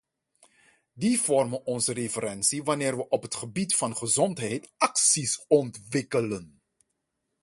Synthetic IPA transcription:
divɔrmənɔnzərefəɾɛnsiʋanɪːɹʋəʔɔpɦətχəbitfɑnχəzɔntɦɛjtɑksisɔntʋɪkələn

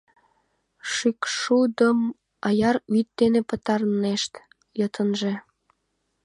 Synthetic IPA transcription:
ʃykʃud̪əm | ɑjɑɾyt̪̚d̪enepə̆t̪ɑrneʃt̪ | jət̪ənʒĕ

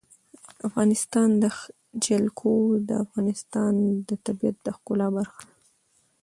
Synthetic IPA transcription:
afɣɑnɪst̪ɑnd̪ə | d͡ʒalkʰod̪ə̰afɣɑnɪst̪ɑnd̪ət̪abijat̪̚d̪əxkʊlɑbaɾxḁ

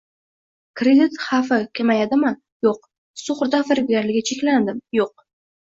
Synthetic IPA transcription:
kʰɾed̪ɪt̪χɑfɪkʲʰemajad̪ɪman | joq̚ | sʊχɾd̪afɪɾɪbɡʲaɾlɪɡʲat͡ʃʰekʲland̪ɪmjoq̚

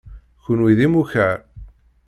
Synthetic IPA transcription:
çʊnwiðimuçæɾ

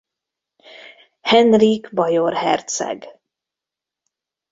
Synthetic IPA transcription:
hɛnriɡbɒjorhɛrt̪sɛ̰ɡ

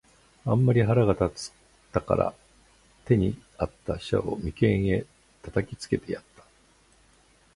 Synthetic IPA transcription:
ãmːaɾʲiɦaɾaɡat̪at͡sɨ̥ | t̪ːaka̰ɾa̰ | t̪e̞ɲ̟iat̪ːaɕa̰o̞mʲikẽ̞ɰ̃e̞ | t̪at̪akʲit͡sɨ̥ke̞t̪e̞jat̪ːḁ

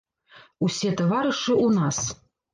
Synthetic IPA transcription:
usʲɛt̪ɐvaɾɨʂɨʔunas

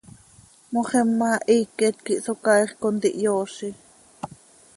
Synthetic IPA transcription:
moχɛmːɑʔiːkːɛt̪kiʔsokɑiχkont̪iʔjoːʃi

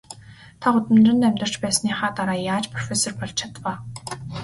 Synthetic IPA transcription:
t̪ʰaʊt̪ɘ̆mnrə̆nt̪æmʲt̪ə̆r̥t͡ɕpæːsniːχaːt̪aɾaːjaːt͡ɕpʰrɔfesɔrpɔɮt͡ɕt͡ɕʰat̪waː

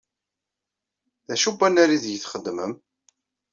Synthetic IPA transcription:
ðæʃubːænæɾiðjəθχəd̪ːməm

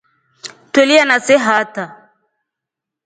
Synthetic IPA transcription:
twɛlianasɛɦata

